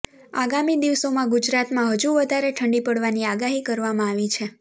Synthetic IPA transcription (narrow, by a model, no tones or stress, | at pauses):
aɡamid̪iʋsomãɡud͡ʒɾat̪mãɦəd͡ʒuʋəd̪ʱaɾeʈʰəɳɖipəɽʋaniaɡaɦikəɾʋamãaʋit͡ʃʰe